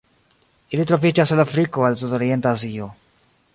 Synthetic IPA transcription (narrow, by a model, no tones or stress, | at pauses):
ilit̪ɾofit͡ʃaselafɾikoalsud̪oɾjent̪eazio